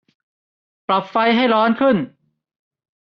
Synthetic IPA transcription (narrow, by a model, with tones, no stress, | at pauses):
pɾa˨˩p̚fa˧jɦa˥˩jɾɔː˦˥nkʰɯ˥˩n